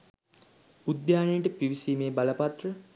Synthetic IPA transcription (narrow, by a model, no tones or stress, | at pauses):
ud̪jaːnejʈəpiʋisiːmeːbaləpat̪rə